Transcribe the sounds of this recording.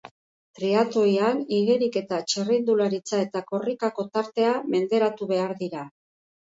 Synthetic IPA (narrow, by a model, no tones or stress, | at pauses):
t̪ɾiat̪o̞janiɣeɾike̞t̪at͡ʃerind̪ulaɾit͡sae̞t̪ako̞rikako̞t̪aɾt̪e̞ame̞nd̪e̞ɾat̪uβe̞aɾðiɾa